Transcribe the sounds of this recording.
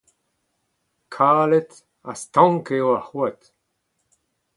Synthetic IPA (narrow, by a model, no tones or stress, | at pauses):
kʰaːlet | astɔ̃ŋkewahuat̪